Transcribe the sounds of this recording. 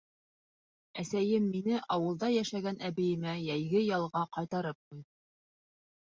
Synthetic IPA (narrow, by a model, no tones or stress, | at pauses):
æsæjɘmːinɘʔɑwɤ̆lˠd̪ɑjæʃæɡænæβɘ̆jɘ̆mæjæjɡɘjɑlˠʁɑqɑjt̪ɑɾɤp̚qujðɤ